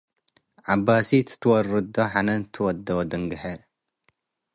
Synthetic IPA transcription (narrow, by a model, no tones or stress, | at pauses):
ʕabasit̪ʰɨ̥t̪ʰwɔrɨd̪oħanɐnt̪ʰɨwɔd̪ːod̪ɨŋɡɨħɐ